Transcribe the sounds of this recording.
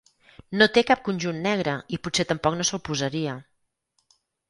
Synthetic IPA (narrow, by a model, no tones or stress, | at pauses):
not̪ekap̚kunʲʒunːɛɣ̞ɾəiputset̪əmpɔknosəlˠpuzəɾiə